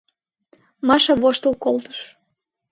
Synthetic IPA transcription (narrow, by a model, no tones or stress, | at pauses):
mɑʃɑβoʃt̪əlˠkolt̪ə̥ʃ